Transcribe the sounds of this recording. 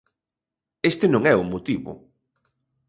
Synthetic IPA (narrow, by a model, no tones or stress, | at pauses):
est̪enõŋɛuŋmot̪iβʊ̰